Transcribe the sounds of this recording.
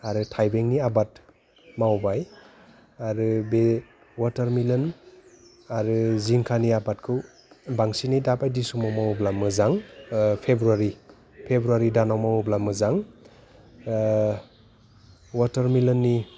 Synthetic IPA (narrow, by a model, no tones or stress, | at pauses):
aɾɯtʰajbeŋniabat | mawbaj | aɾɯbe | wataɾmilɯn | aɾɯziŋkʰaniabat̚kʰɯw | baŋsinidabajdisumawmawblamɯzaŋpʰebɾuaɾi | pʰebɾuaɾidanawmawublamɯzaŋ | wataɾmilɯnːi